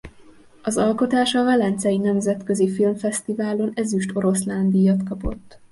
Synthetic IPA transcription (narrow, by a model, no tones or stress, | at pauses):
ɒzɒlko̞t̪aːʃɒvɛlɛnt̪sɛjinɛmzɛt̪kø̞zifilmfɛst̪ivaːlo̞nɛzyʃt̪o̞ɾo̞sland̪ijɒt̪kɒpo̞t̪ː